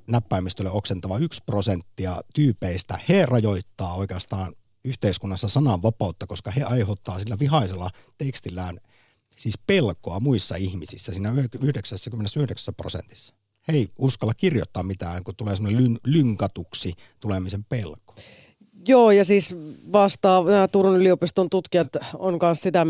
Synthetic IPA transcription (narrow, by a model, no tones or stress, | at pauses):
næpːæːmist̪øleoksent̪ɑʋɑyksprosent̪ːiɑt̪yːpeist̪æ̰herɑjoit̪ːɑːoikeɑst̪ɑːn | yht̪eiskunːɑsːɑsɑnɑʋʋɑpɑˑut̪ːɑkoskɑheɑihot̪ːɑːsilːæʋihɑselːˑɑ | t̪ekst̪ilːˑæːn | siːspelkoɑmuisːɑihmisḭsːæsiːnæyyhdeksæsːækymːenesːyhdeksæ̥sːæpro̰sḛnt̪i̥sːɑ̥ | heiuskɑlːɑkirjo̰t̪ːɑːmmit̪æːŋkut̪uleːsemonelynlyŋkɑt̪uksi | t̪ulemisempelko̥ | joːjɑsiːsʋɑst̪ɑːnæːt̪urunyliopist̪ont̪ut̪kiɑt̪onkɑnssit̪æ